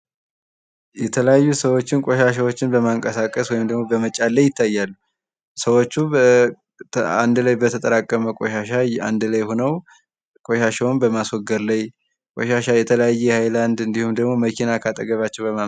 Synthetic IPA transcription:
jɛt̪ʰələjajːusəwo̞t͡ʃːɪnkʼoʃaʃ̬awot͡ʃːɪnbəmaɨŋkʼəsakʼəswɔjɪmd̪əɡmo̞bəmət͡ʃʼːalːajɪt̪ʰːajːalːu | səwo̞t͡ʃːu | a̰nd̪lajbət̪ʰət̪ʼəɾakʼːəməkʼoʃaʃaa̰nd̪lajhonəw | kʼoʃaʃɛwnbəmaswɔɡːəɾlaj | kʷʼoʃaʃajɛt̪ʰələjajːɛhajland̪ɨnd̪ihumd̪əɡmo̞məkʰinakʰat̪ʼəɡəβat͡ʃːɛwbəma

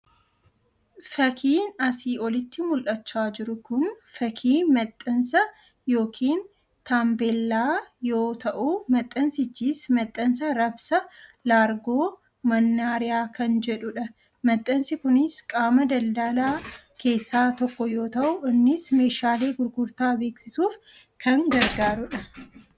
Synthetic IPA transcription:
fɐkʰiːnɐsiːʔɔlɪt̪ːɪmʊlʔɐt͡ʃːaːd͡ʒɪɾʊkʊnfɐkʰiːmɐt̪ʼːɐnsɐ | jo̞ːkʰiːn | t̪aːmbelːaːjo̞ːt̪ɐʔumɐt̪ʼːɐnsɪt͡ʃːiːsmɐt̪ʼːɐnsɐɾɐbsɐlaːɾɡo̞ː | mɐnːaːɾɪjaːkʰɐnd͡ʒɛᶑʊᶑɐ | mɐt̪ʼːɐnsɪkʊnɪskʼaːmɐd̪ɐld̪aːlaː | ke̞ːsːaːt̪ɔkːɔjo̞ːt̪ɐʔʊʔɪnːɪsme̞ːʃaːle̞ːɡʊɾɡʊɾt̪aːbe̞ːksɪsuːf | kʰɐŋɡɐɾɡaːɾʊᶑɐ

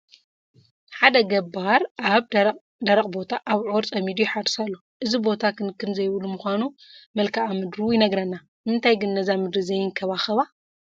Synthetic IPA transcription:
ħad̪ɐɡɐbaɾaβ | d̪ɐɾɐkʼbo̞t̪ʰaʔaβʕoɾt͡sʼɐmid̪ujħaɾsalːoʔɨzibo̞t̪ʰakɨnkʰːɨnzɐjβlumuxʷanumɐlkʰaʔamɨd̪ɾujɪnɐɡɾɐnːa | mɨnt̪ʰajɡɨnːɐzamɨd̪ɾɨzɐjɪŋkʰɐβaxɐβa

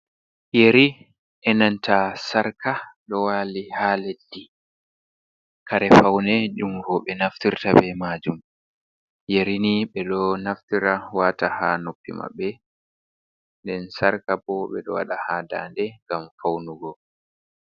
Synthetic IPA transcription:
jeɾi | ʔɛnantasaɾkaɗɔwaːlihaːledːi | kʰaɾɛfawnɛd͡ʒumvɔɓɛnaftiɾtabɛmaːd͡ʒum | jeɾiniɓɛɗɔnaftiɾawatahanopːḭma̰bːɛ | ndɛnsaɾkabɔɓɛɗɔ̰waɗahaːdaːndɛŋɡamfawnuɡɔ

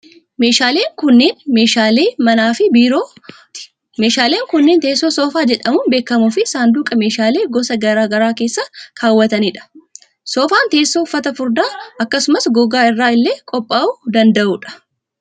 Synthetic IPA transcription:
me̞ːʃaːle̞ːŋkʊnːeːnmeːʃaːle̞ːmɐnaːfɪbiːɾoː | me̞ːʃaːleːŋkʊnːeːnt̪e̞ːsːoːsoːfaːd͡ʒɛᶑɐmʊnbe̞ːkːɐmʊfɪsaːnd̪uːkʼɐme̞ːʃaːle̞ːɡɔsɐɡɐɾaːɡɐɾaːke̞ːsːɐkʰaːwːɐt̪ɐniːᶑɐ̥ | soːfaːnt̪e̞ːsːoːʊfːɐt̪ɐfʊɾd̪aːɐkːɐsʊmɐsɡɔɡaːɪrːaːɪlːe̞ːkʼɔpʼːaːʔuːd̪ɐnd̪ɐʔuːᶑɐ̥

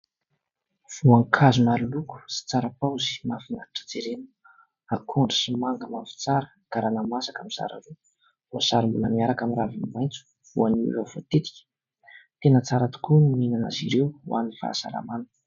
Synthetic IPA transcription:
v̥uaŋkʰazumaɾuluku̥si̥t͡saɾapawzi̥mafinaaʈ͡ʂə̥d͡zeɾenu | akʰoɳɖ͡ʐə̥simaŋɡəmanfi̥t͡saɾə | kaɾanamasakamiz̥a̰ɾa̰ɾu | vosaɾimbuləmiaɾakamiravinimajnt͡su̥ | v̥uaniṵvavo̰t̪et̪i̥kʲə̥ | t̪enət͡saɾat̪u̥kunminana̰ziɾewwa̰nifa̰sa̰ɾa̰manə

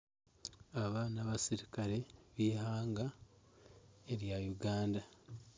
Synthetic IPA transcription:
aβanaβasiɾikaɾe̞βihaːŋɡa | eɾjajuɡaːnda

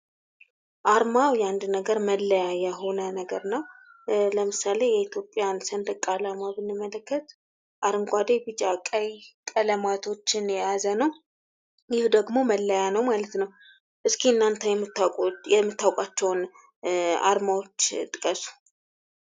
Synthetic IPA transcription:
ʔaɾmawjand̪nəɡəɾməlːəjajɛho̞nənəɡəɾnəwləmɨsale̞jɛit̪ʰjo̞pʼːjansənd̪əkʼːalamabɨnːɨmːələkːət̪ | ʔaɾɨŋɡʷad̪ebɨt͡ʃʼakʼəjkʼələmat̪ʰo̞t͡ʃːɪnjɛjazənəw | jɪhd̪əɡmo̞məlːəjanəwmalət̪nəw | ʔɨskʰiɨnːant̪ʰəjɛmːʼjɛmːɨt̪ːawkʷʼat͡ʃːɛwn | a̰ɾmawo̞t͡ʃːt̪ʼɨkʼəsu̥

